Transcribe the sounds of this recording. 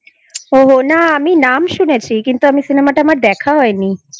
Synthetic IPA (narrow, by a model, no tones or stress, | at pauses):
oɦonaaminamʃunet͡ɕʰikint̪uamisinemaʈaamaɾd̪ɛkʰaɦɔeni